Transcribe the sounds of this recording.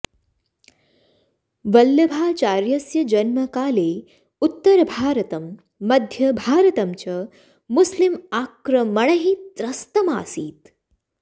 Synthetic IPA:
ʋɐljɐbʱaːt͡ʃaːɾjɐsjɐd͡ʒɐnmɐkaːleː | ut̪ːɐɾɐbʱaːɾɐt̪ɐmː | ɐd̪ʱjɐbʱaːɾɐt̪ɐmt͡ʃɐ | muslimaːkɾɐmɐɳɐɦit̪ɾɐst̪ɐma̰ːsiːt̪

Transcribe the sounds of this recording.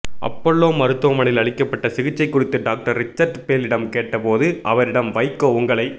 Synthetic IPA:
ʔɐ̰pːɔɭːoːmɐɾɯt̪ːʊʋɐmɐɳɪlɐɭɪkːɐpːɐʈːɐsɪɣɪt͡ʃːɐɪkːʊrɪt̪ːɯɖaːk̚ʈɐɾːɪt͡ʃːɐɾʈpeːlɪɽɐmkeːʈːɐpoːðɯʔɐʋɐɾɪɽɐmʋɐɪkːoːʊŋɡɐɭɐɪ

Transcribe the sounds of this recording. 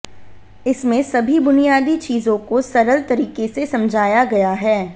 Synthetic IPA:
ɪsmẽsɐbʱibʊnijaːd̪it͡ʃiːzõkosɐɾəlt̪ɐɾiːkesesɐ̃md͡ʒʱaːjaɡɐjaɦɛː

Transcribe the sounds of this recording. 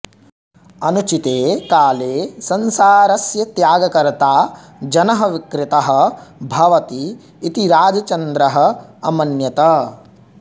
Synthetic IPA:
ɐnut͡ʃit̪eːkaːleːsɐnsaːɾɐsjɐt̪jaːɡɐkɐɾt̪aː | d͡ʒɐnɐɦɐʋikɾɪt̪ɐɦɐ̆bʱɐʋɐt̪iː | t̪iɾaːd͡ʒɐt͡ʃɐnd̪ɾɐɦɐ̆ɐmɐnjɐt̪ɐ

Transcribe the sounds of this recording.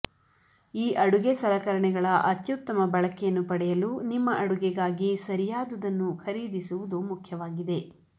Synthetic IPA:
iːʔɐɽuɡesɐlɐkɐɾɐɳɛɡɐɭɐʔɐt̪jut̪ːɐmɐbɐɭɐkɛjɐnːupɐɽɛjɐlunimːɐʔɐɽuɡɛɡaːɡisɐɾijaːd̪ud̪ɐnːuxɐɾiːd̪isuʋud̪umukʰjɐʋaːɡid̪e̞

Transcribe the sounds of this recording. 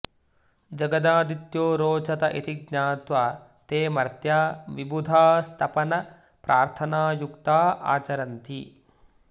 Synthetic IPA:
d͡ʒɐɡɐd̪aːd̪it̪joːɾoːt͡ʃɐt̪ɐʔit̪iɡɲaːt̪ʋa | t̪eːmɐɾt̪jaːʋibud̪ʱaːst̪ʰɐpɐnɐ | pɾʔaːɾt̪ʰɐnaːjukt̪aːa̰ːt͡ʃɐɾɐnt̪i

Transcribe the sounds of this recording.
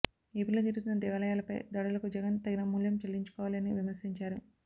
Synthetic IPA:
eːpiloːd͡ʒ̪iɾuut̪unːɐd̪ɛʋɐlɐjaːlɐpɐ̰jd̪ɐɽɐlɐkud͡ʒɛɡɐnt̪ɐɡinɐmuljɐmt͡ʃelːiɲt͡ʃu̥kɔːʋaliɐniʋimɐɾsiɲt͡ʃaːɾu

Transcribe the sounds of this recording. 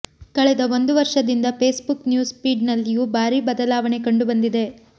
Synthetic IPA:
kɐɭɛd̪ɐo̞nd̪uʋɐɾʂɐd̪ind̪ɐpe̞ːsbuknjuːspiːɖnɐlːijuːbaːɾibɐd̪ɐlaːʋɐɳe̞kɐɳɖubɐnd̪id̪e̞

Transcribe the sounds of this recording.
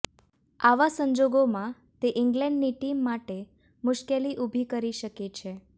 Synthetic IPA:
aʋasə̃ɲd͡ʒoɡomã | t̪eʔɪŋɡlɛ̃ɳɖniʈimːaʈe | mʊʃkeliʔubʱikəɾiʃəket͡ʃʰe

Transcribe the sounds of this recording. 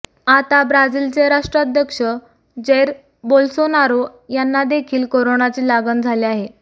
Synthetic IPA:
at̪abɾad͡ziːlt͡seɾaʂʈɾad̪ʱjəkʂə | d͡ʑeɾ | bolsonaɾojanːad̪ekʰiːlkoɾonat͡ɕiːlaɡənd͡zʱaleaɦe

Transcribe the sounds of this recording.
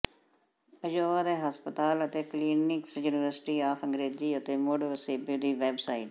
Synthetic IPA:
əd͡ʒoːaːd̪eːɦəspət̪aːlət̪eːkliːnɪksjuːnɪʋəɾsɪ̥ʈiːaːfʰəŋɡɾeːd͡ʒiːət̪eːmoːɖʋəseːbiːd̪iːʋɛːbsaːiʈ

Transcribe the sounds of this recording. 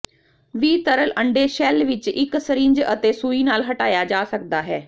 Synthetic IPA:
ʋiːt̪əɾəlʔəɳɖeːʃɛːlʋɪt͡ʃɪksəɾĩːɲd͡ʒə̰t̪eːsuːiːnaːlɦəʈaːjaːd͡ʒaːsəkd̪aːɦɛː

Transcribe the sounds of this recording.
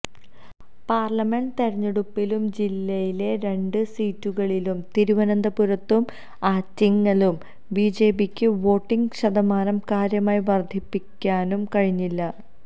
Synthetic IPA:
paːrlɐme̞ɳɖt̪eɾɐɲːɐɽupːilumd͡ʑilːɐjile̞ɾe̞ɳɖɨsiːtːuɣɐɭilumt̪iɾuʋɐnɐnd̪ɐpuɾɐt̪ːum | aːtːɐŋːɐɭum | biːd͡ʑe̞ːbikʲːɨʋo̞ːʈːiŋɡɕɐd̪ɐmaːnɐmkaːɾjɐmaːjiʋɐrd̪ʱipːikʲːaːnumkɐɻiɲːilːɐ

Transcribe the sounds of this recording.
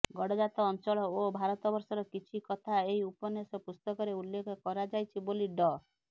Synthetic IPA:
ɡɔɽɔd͡ʒat̪ɔːnt͡ʃɔɭɔobʱaɾɔt̪ɔbɔɾsɔɾɔkit͡ʃʰikɔt̪ʰaeɦiupɔnesɔpust̪ɔkɔɾeulːekʰɔkɔɾad͡ʒajt͡ʃʰiboliɖɔ

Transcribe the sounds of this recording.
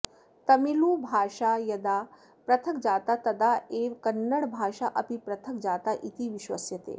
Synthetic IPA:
t̪ɐmiluːbʱaːʂajɐd̪a | pɾɐt̪ʰəkd͡ʒaːt̪at̪ɐd̪aeːʋkɐnːəɽbʱaːʃaʔɐpipɾɐt̪ʰəkd͡ʒaːt̪aʔit̪iʋiʃʋɐ̰sjɐt̪ḛː

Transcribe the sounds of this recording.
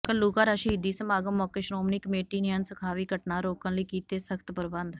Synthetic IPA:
kəlːuːkaːɾaːʃiːɪd̪iːsəmaːɡəmːɔkeːʃɾoːmniːkəmeːʈiːniənsəkʰaːʋiːkəʈnaːɾoːkə̃nləikiːt̪eːsəkʰt̪pəɾbə̃nd̪

